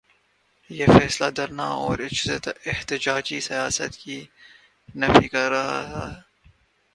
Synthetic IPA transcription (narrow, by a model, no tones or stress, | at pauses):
jeːfɛːslad̪ɐɾnaɔːɾɪt͡ʃzet̪ɪht̪ɪd͡ʒaːd͡ʒisɐjaːsə̰t̪ki | nɐfikɐɾːɐɦa̰ɦɛː